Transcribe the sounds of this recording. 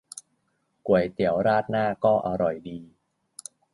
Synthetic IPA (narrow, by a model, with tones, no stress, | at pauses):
ku˨˩əjt̪i˨˩˦əwɾaː˥˩t̪̚naː˥˩kɔː˥˩ʔa˧ɾɔ˨˩jdiː˧